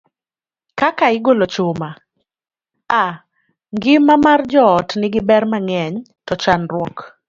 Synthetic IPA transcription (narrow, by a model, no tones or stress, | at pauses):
kakaɪɡolot͡ʃoma | a | ŋɡɪmamard͡ʒɔːtnɪɡɪbɛrmaŋɛɲtɔt͡ʃanrwɔk